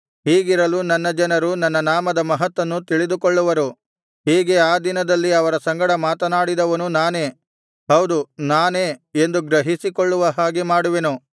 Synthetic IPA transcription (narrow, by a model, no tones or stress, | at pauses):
hiːɡiɾɐlunɐnːɐd͡ʒɐnɐɾunɐnːɐnaːmɐd̪ɐmɐɦɐt̪ʋɐnːut̪iɭid̪ukɔɭːuʋɐɾu | ɦiːɡe̞aːd̪inɐd̪ɐlːiɐʋɐɾɐsɐŋɡɐɽɐmaːt̪ɐnaːɽid̪ɐʋɐnunaːne̞ː | ɦɐwd̪unaːneːend̪uɡɾɐɦisikɔɭːuʋɐɦaːɡimaːɽuʋenu